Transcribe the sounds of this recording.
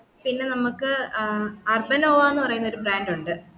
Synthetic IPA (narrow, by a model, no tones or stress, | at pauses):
pinːe̞nɐmukːɨ | ɐrbɐnoːʋaːenːɨpɐrɐjunːɐo̞ɾubraːnduɳɖɨ